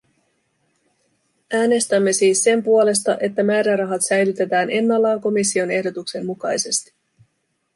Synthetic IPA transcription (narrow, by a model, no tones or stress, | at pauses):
æːne̞st̪æmːe̞siːsːe̞mpuo̞le̞st̪ɑʔe̞t̪ːæmæːɾærɑɦɑt̪sæjlyt̪e̞t̪æːne̞nːɑlːɑːŋko̞misːio̞ne̞hdo̞t̪ukse̞mːukɑjse̞st̪i̥